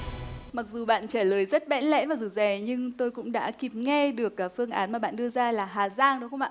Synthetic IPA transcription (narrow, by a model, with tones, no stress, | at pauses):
ma˨˩k̚zu˨˩ɓa̰ː˧˨nt͡ɕaː˧˩ləː˨˩jzə˦˥t̚ɓɛ̰˧˥nlɛ̰˧˥nvaː˨˩zɨ˨˩zɛ˨˩ɲɨ˧ŋt̪o˧jkʊ̰˧˥ŋ͡mɗa̰ː˧˥ki˨˩p̚ŋɛ˧ɗɨ˨˩əkːaː˨˦fɨ˧əŋʔaː˨˦nmaː˨˩ɓa̰ː˧˨nɗɨ˧əzaː˧laː˨˩ɦaː˨˩zaː˧ŋɗə˨˦wxə˧wŋ͡maː˧˨